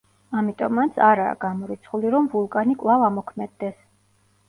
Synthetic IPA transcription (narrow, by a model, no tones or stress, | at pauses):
amit̪ʼɔ̰mːant̪sʰaɾa̰ːɡ̥amɔɾit̪sʰχuliɾɔmvulˠkʼanikʼlˠavamɔkʰmɛd̪ːɛs